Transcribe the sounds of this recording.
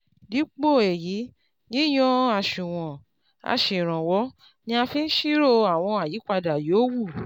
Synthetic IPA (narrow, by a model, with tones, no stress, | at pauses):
di˨˦k͡po˦˨e˨ji˨˦ | nĩ˦j̃ɔ̃˦a˧˨ʃũ˨w̃ɔ̃˨ | a̰˧ʃe˨ɾ̃ã˨wɔ˨˦ | nĩ˧˦a˧fi˦˧n̩˦ʃi˦ɾo˦˧a˨w̃ɔ̃˧a˨ji˨˦k͡pa˧da˨jo˨˦wu˦˨